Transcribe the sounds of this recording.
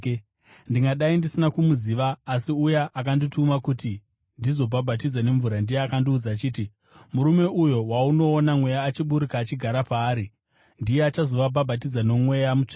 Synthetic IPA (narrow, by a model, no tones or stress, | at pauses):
ndiŋɡaɗaindisinakumuziːʋaːsiujaʔakanditumakuti | ndizo̞bʱabʱat̬id͡zane̞ɱvuɾandijeakandiːd͡zat͡ʃiːti | muɾume̞ʔujo̞wauno̞ːnamwe̞jaːt͡ʃiɓuɾikaːt͡ʃiɡʱaɾapaːɾi | ndijeat͡ʃazo̞ʋabʱabʱat̬id͡zano̞mwe̞jamut͡ʃḁ